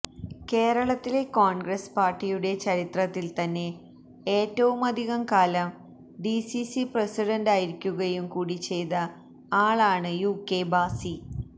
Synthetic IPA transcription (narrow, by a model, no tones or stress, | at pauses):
ke̞ːɾɐɭɐt̪ːile̞koːɳɡrɐspaːrʈːijuɽe̞t͡ɕɐɾit̪rɐt̪ːilt̪ɐnːe̞ | eːtːɐʋumɐd̪ʱiɣɐmkaːlɐm | ɖisisipresiɖɐndaːjiɾikʲːuɣɐjumkuːɽit͡ɕːe̞jðɐ | aːɭaːɳɨjuːkːe̞baːsi